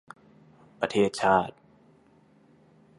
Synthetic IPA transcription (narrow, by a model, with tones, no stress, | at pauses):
pɾa˧t̪ʰeː˥˩t̪̚t͡ɕʰaː˥˩t̪̚